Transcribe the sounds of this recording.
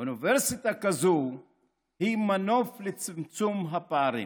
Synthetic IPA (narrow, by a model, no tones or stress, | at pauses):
univɛɾsit̪akazo | himanoflet͡simit͡sumɦapaɾḭ